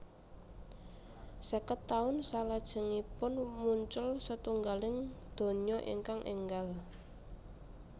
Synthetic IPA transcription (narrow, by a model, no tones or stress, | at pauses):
səkət̪ːaʊnsalad̥ʒ̥ə̤ŋipʊnmuɲt͡ʃʊlsət̪uŋɡalɪŋd̪̥o̤ɲɲɔʔḭŋkaŋʔḛŋɡal